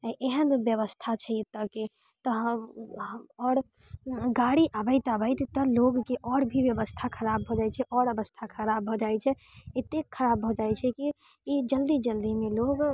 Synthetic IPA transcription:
ʔeɦənbjəβəst̪ʰat͡ʃʰɛit̪ːəke | t̪ɔɦ | ɔːɾ | ɡaɽiʔabəɪt̪abəɪt̪t̪ɔloɡkeʔɔɽbʱibjəbəst̪ʰakʰəɾabʱɔd͡ʒajt͡ʃʰɛʔɔɾəbəst̪ʰakʰəɾabʱɔd͡ʒajt͡ʃʰɛ | et̪ekʰːəɾabʱɔd͡ʒajt͡ʃʰɛki | id͡ʒəld̪id͡ʒəld̪imeloɡ

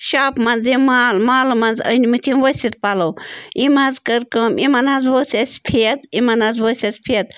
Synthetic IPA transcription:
ʃaːpmɐnzimaːlmaːlmɐnzə̰nimɨt̪ʰimʋɐsʲit̪̚palɐwimɐnzkəɾkəmʔimɐnɐnzʋosʲɐsʲpʰiɐt̪imɐnɐnzʋosʲɐspʰijɐt̪̚

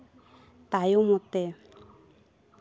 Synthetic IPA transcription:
t̪ajomɔt̪e

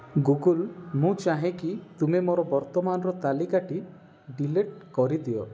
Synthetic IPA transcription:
ɡuɡulmũt͡ʃaɦekit̪umemoɾɔbɔɾt̪ɔmanɔɾɔt̪alikaʈi | ɖileʈ̚kɔɾid̪iɔ

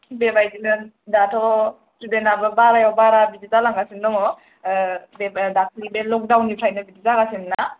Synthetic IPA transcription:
bebajdinɯn | datʰɔ | sudenabɯbaɾajɔbaɾabid͡ʒitalaŋɡasinːɔŋɔ | bedak̚ʰɾibelɔk̚dawnːipʰɾajnɯbiditaɡasinna

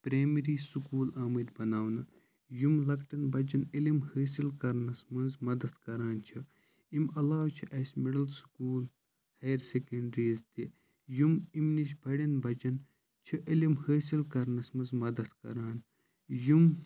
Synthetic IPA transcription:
pɾeːmiɾiːsukuːlaːmɨd̪bɐnaːwnɨ | jumlɐkʈɐnbɐd͡ʒɐnilimhəːs̬ilkɐɾnɐsmɐnzmɐd̪ɐt̪kɐɾaːnt͡ʃʰi | imɐlaːwt͡ʃʰiʔɐsʲmiɽɐlsu̥kuːl | hɐjɾsekɐɳɖɾiːzt̪i | jumimniʃbɐɽʲɐnbɐd͡ʒɐn | t͡ʃʰiʔilimhəːsilkɐɾnɐsmɐnzmɐd̪ɐt̪kɐ̰ɾaːn | jum

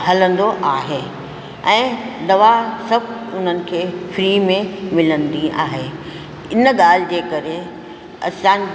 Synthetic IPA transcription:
hɐlə̃nd̪oʔaːɦeː | ɛ̃ːd̪ɐʋasɐbʱʊn̤ənɪ̆kʰeːfɾiːmẽmɪlə̃nd̪ĩʔa̰ːɦeː | ɪnəɠaːl̤ɪd͡ʑeːkɐɾe | ɐ̰sãːn

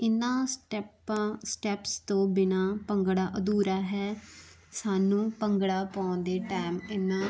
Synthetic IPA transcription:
ɪnːãːʈpːsʈɛːpst̪õːbɪnãːpəŋɡɽaːʔəd̪uːɾaːɦɛː | saːnũːpəŋɡɽaːpaːnd̪eːʈaːmɪnːãː

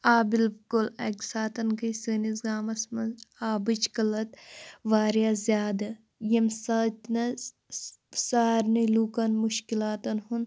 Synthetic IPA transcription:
aːbilkulɐ̰ksaːt̪ɐnɡɐsɨːnizɡaːmɐsmɐnaːbɨt͡ʃkɐlɐt̪ʋaːɾjazjaːd̪ɐ | jɐmsɐt̪nɐ | saːɾnilukɐnmuʃkilaːt̪ɐnɦun

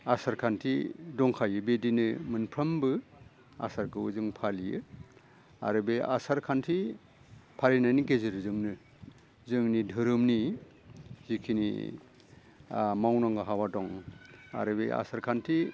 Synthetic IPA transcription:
asaɾkʰantʰidɔŋkʰajɯbedinɯmɯnpʰɾɐmbɯ | a̰saɾkʰɯwuzɯŋpʰalijɯ̰ | a̰ɾɯbea̰saɾkʰantʰi | pʰalinajnikeziɾɯzɯŋnɯ | zɯŋnidʱɯɾɯmni | zikʰinḭ | mawnaŋɡaɦawadɔŋa̰ɾɯbea̰saɾkʰantʰi

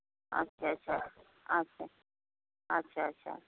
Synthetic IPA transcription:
ɐ̰tːʃʰaɐtːʃʰa | ɐtːʃʰa | ɐtːʃʰaɐtːʃʰa̰

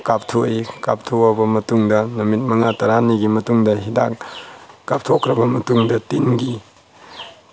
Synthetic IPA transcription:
kap̚tʰoikap̚tʰoabɐmɐtuŋdɐnɐmit̚mɐŋatɐɾaniɡimɐtuŋdɐɦida̰kkap̚tʰokʰɾɐbɐmɐtuŋdɐtinɡi

